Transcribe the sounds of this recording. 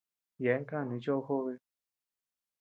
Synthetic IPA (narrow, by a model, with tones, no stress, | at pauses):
jɛ˨˦ŋ˦ka˥˧˨ni˨˦t͡ɕo˥˧xo˥˧e˧˦